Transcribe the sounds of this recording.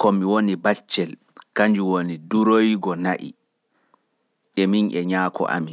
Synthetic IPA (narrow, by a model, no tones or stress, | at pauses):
kɔmiwonibat͡ʃːɛl | kaɲd͡ʒuwoniduɾojɡɔnaʔḭ | ʔɛminɛɲaːkʰɔ̰ʔa̰mi